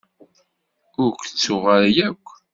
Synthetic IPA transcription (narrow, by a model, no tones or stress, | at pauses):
ʊɾkʷt͡sːʊʁəɾjækʷː